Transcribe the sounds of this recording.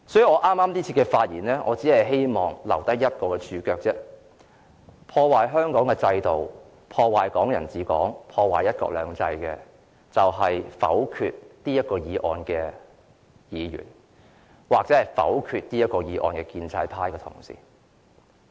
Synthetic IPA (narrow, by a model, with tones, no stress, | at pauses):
sɔː˨˥ji˨˥ŋɔː˨˧ʔaː˥maː˥mt̪iː˥t͡sʰiː˧kɛ˧faː˧t̚jḭː˨˩nlɛː˥ŋʔɔː˨˧t͡siː˨˥hɐ˨jɦe˥jmɔː˨ŋlɐ̰˨˩wt̪ɐ˥kjɐ˥t̚kɔː˧kɛ˧t͡ʃʰyː˨˧kœː˧k̚t͡sɛː˥ | pʰɔː˧waː˨˩jɦœː˥ŋkɔː˨˥ŋkɛ˧t͡sɐ˧jt̪o˨w | pʰɔː˧waː˨˩jkɔː˨˥ŋjɐ˨˩nt͡siː˨˧kɔː˨˥ŋpʰɔː˧waː˨˩jɐ˥t̚kɔ̰ː˧k̚lœː˨˧ŋt͡sɐ˧jkɛː˧ | t͡sɐ˨wɦɐ˨jfɐ̰˨˥wkʰy̰ː˧t̚t̪iː˥jɐ˥t̚kɔː˧jiː˨˧ʔɔ̰ː˧nkɛː˧ | jiː˨˧jy̰ː˨˩n | waː˨k̚t͡sɛ˨˦˥ɐ˨jfɐ̰˨˥wkʰyː˧t̚niː˥jɐ˥t̚kːɔː˧jiː˨˧ʔɔ̰ː˧nkɛ˧kiː˧nt͡sʰɐ̰˧jpʰaː˥jkɛː˧t̪ʰʊ̰˨˩ŋsḭː˨˦